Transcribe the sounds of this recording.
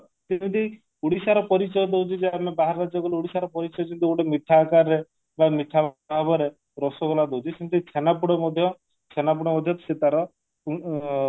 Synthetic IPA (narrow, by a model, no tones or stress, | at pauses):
sinit̪ej | uɽisaɾɔpɔɾit͡ʃɔd̪eɦwt͡ʃʰid͡ʒeamebaɦaɾɾad͡ʒɔkɔleuɽisaɾɔpɔɾit͡ʃɔjt͡ʃʰint̪iuɽemiʈʰːakaɾːe | bamiʈʰːabbɔɾe | ɾɔsɔɡɔlad̪ewt͡ʃʰisinid̪iit͡ʃʰenap̬uɽɔmɔd̪ʱjɔ | t͡ʃʰenapuɽɔmɔd̪ʱjɔt̪sit̪aɾɔ